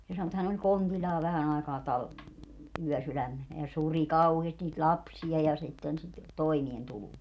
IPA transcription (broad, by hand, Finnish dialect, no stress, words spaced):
se sɑno etːæ hæn olʲ kontilʲːɑː ʋæhæn ɑi̯kɑː tɑl yœˑsylæmːenæ jɑ suri kɑuheːsti niːt lʲɑpsiɑ jɑ sitːen sit toimientuluː